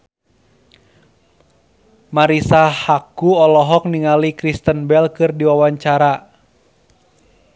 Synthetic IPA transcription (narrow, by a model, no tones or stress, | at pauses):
maɾisahakuɔlɔɦɔk̚niŋalikɾist̪ənbɛlkɨrdiwawaɲt͡ʃaɾa